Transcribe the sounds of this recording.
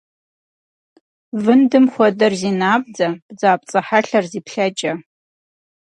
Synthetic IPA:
vɨndɨmχʷɔdɐrzinaːb̚d͡zab̥d͡zaːp̚ʼt͡sʼɐħaɬarzipʰɬad͡ʒʼa

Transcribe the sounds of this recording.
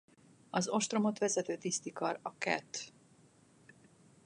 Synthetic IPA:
ɒzo̞ʃt̪ro̞mot̪ʋɛzɛt̪øːt̪ist̪ikɒrɒkɛ̰t̪

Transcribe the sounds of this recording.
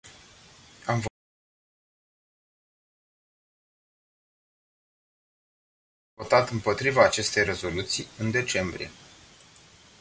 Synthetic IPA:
amv | vo̞t̪at̪ɨmpo̞t̪ɾivaːt͡ʃe̞st̪e̞jre̞zo̞lut̪sijɨnd̪e̞t͡ʃe̞mbɾḭje̞

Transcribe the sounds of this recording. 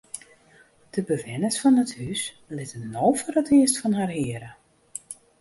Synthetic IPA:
d̥əbəvɪnəsfɔnəthys | lɪtənːoːfəɾətɪəstfɔnɦarɦɪəɾə

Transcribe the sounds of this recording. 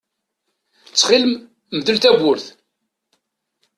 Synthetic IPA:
t͡sːχɪləm | mðəlt̪æɡʷʊɾθ

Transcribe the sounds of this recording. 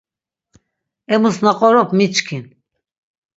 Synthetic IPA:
ɛmusnaqʼɔɾɔpʰmit͡ʃkʰin

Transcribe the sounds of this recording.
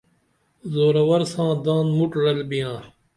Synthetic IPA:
zoːɾɐwɐɾsãːd̪ãːnmuʈɾɐlbijãː

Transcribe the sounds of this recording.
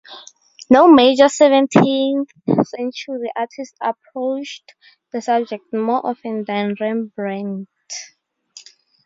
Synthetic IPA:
nomed͡ʒəsɛvɛ̃ntʰĩnθsɛ̃nt͡ʃʰuɹiʔatʰistapʰɹot͡ʃd | ðəsab̚d͡ʒɛk̚tmɔʔɔfɛ̃ndãnɹɛ̃nbɹɛ̃nd

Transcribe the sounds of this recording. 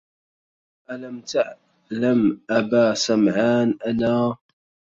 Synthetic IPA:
ʔalamt̪aʕ | lamʔabaːsamʕaːnʔanaː

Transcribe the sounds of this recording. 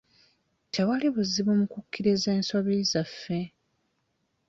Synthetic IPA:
tʰewaliβuziβomukukːiɾizeːnsoβizafːe

